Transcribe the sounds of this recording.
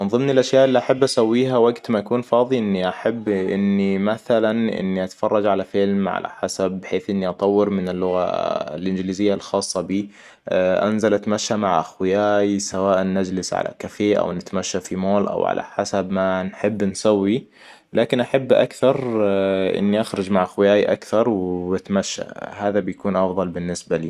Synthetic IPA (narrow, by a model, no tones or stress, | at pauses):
mɪnðˤɨmnɪlʔaʃjaːʔɪlːiʔaħabːʔasawːiːɦawaɡt̪maʔakuːnfɑːðˤiʔɪnːiʔaħabːʔɪnːimaθalanʔɪ̰nːiʔat̪ḁfɑrˤːɑd͡ʒʕalafɪlmʕa̰la̰ħasab̚ːħeːθʔɪnːiʔɑt̪ˤɑwːɪɾmɪnɪlːʊɣa̰lʔɪnd͡ʒliːzɪjːalxɑːsˤːɑbiː | ʔa̰nzalʔat̪amaʃːamaʕʔaxwɪjaːjsawaːʔanːad͡ʒlɪsʕa̰la̰kafeːʔa̰wnɪt̪maʃːafimoːlʔa̰wʕa̰la̰ħasabmanħɪbːnsawːi | laːkɪnʔaħabːʔa̰kθɑɾˤʔɪ̰nːiʔaxɾˤɑd͡ʒmaʕʔaxwɪjaːjʔa̰kθɑɾˤwɪt̪maʃːa̰haːðabɪjkuːnʔɑfðˤɑlbɪnːɪsbaliː